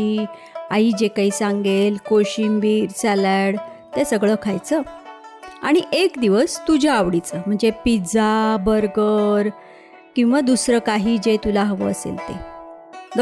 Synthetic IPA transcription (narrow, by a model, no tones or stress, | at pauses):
i | aɦiːd͡ʑekaiːsãŋɡelkoɕimbiːɾsɛlɛɽ | t̪esəɡɭəːkʰajt͡sə | a̰ɽ̃iʔekd̪iʋəst̪ud͡ʑəaʋɽit͡səːm̤əɳd͡zepid͡zabəɾɡəɾ | kĩw̃ʋad̪usɾəːkaɦiːd͡ʑet̪ulaɦəʋə̰əsḛlt̪ḛ | d̪